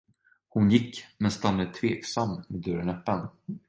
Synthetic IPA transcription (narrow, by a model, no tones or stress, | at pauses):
hʊnjɪkːmɛnst̪anaət̪ʰveːksamːmed̪œɾənɛpːən